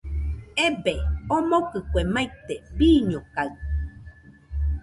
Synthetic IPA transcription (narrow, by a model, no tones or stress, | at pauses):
ebeomokɨkʷemait̪ebiːɲokaɨ